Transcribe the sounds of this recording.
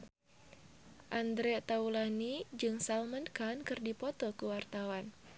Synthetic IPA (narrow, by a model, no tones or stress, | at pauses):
ʔand̪ɾɛt̪aulanid͡ʒɨŋsalmənkankɨrdipɔt̪ɔkuwart̪awan